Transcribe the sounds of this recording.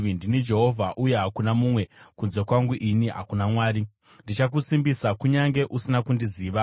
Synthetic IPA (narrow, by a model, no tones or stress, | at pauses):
ndinid͡ʒe̞ɦo̞vʱaʔuje̞ɦakunamumwe̞kunze̞kwaŋɡuʔiniɦa̰kunamwaːɾi | ndit͡ʃak̬usimbisakuɲaŋɡe̞ʔusinakundiziːʋa